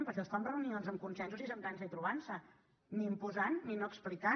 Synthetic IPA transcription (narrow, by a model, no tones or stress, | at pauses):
mpəɾkɛsamrəunionzəmkunsɛnsuzizəmkans̬əit̪ɾuβ̞ansə | niːmpuzanːinoəksplika